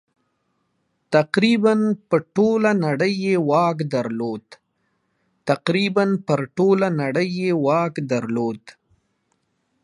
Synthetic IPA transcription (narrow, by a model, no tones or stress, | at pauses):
t̪aqɾibanpəʈolanaɽəjːewɑkd̪aɾlod̪ | t̪aqɾibanpəɾʈolanaɽəjːewɑkd̪aɾlod̪